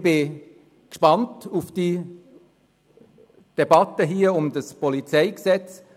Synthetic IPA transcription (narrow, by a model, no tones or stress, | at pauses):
b̥ɪ | kʃpɑntufd̥i | d̥ɛbɑtəɦiːəʊmdəspɔlit͡sɛɪksɛt͡s